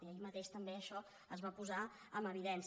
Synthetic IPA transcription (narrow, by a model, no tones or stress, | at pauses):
iəimət̪eʃt̪əmbeəʃɔ | əzβapuza | əməβ̞iðɛns